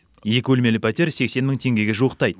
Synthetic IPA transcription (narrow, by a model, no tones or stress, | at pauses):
je̞kʲɪwɵlme̞lɪpʰat̪eɾse̞kse̞nməɴt̪ʰe̞ŋɡʲe̞ɡʲeʒuəqt̪ɑjd̪ə